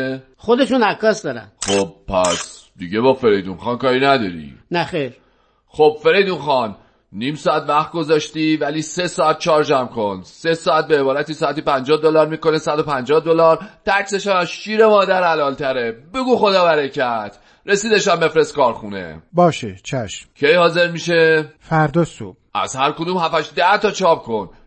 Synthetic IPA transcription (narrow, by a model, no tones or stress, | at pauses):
χod̪eʃunækʰːɒːsd̪ɒːɾæ̰nχob̥̚pʰːæ̰s | d̪̥iɟebɒːfe̞ɾejd̪unxɒnkɒːɾiːnæd̪ɒ̰ɾḭnæxeɾ | xob̥̚fe̞ɾejd̪unxɒnː | iːmsɒːæt̪væχt̪̚ɡo̞zɒːʃt̪ivæliːse̞sɒːæt̪̚t͡ʃʰɒːɾd͡ʒæmkʰo̞nse̞sɒːæt̪̚beːbɒːɾæt̪iːsɒːæt̪ipænd͡ʒɒːhd̪olɒɾmiːko̞nesæd̪o̞pænd͡ʒɒːhd̪olɒɾt̪ʰæcse̞ʃæmæzʃiːɾe̞mɒːd̪æɾælɒːlt̪ʰæɾe̞be̞ɡuːxo̞d̪ɒːvæɾecʰæt̪ʰ | ɾe̞siːd̪e̞ʃæmbe̞fɾe̞st̪̚kɒːɾxṵnḛbɒːʃḛt͡ʃʰæʃmcʰe̞jhɒːze̞ɾmiːʃefæɾd̪ɒso̰b̥ʔæ̰z̥hæɾkod̪uːmhæfæʃd̪æht̪ɒːt͡ʃʰɒːp̚kʰo̞n